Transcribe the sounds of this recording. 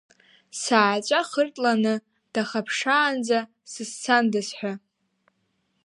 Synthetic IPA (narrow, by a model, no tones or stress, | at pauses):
saːt͡ʃʷʼaχərtʼlanɨ | d̥aχapʰʂaːnd͡za | sɨst͡sʰandɨsħʷᶣa